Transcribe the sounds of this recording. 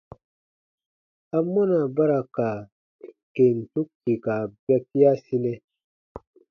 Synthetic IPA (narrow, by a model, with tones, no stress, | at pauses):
a˨mːɔ˦na˨ba˦ɾa˨ka˨ | ke˨n˨tu˦k̚ti˨ka˨bɛ˦k̚i˦a˦si˦nɛ˦